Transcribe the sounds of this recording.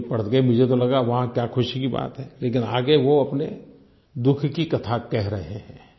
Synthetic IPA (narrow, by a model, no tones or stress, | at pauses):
pɐɽət̪ɡɐimʊd͡ʒʱet̪̬olɐɡaʋɐɦãkjaːxʊʃikiba̰ːt̪ɦɛːleːkɪna̰ːɡeʋoɐpnḛ | d̪ʊkʰkikɐt̪ʰakɛɦɾɐɦeɦɛ̰̃ː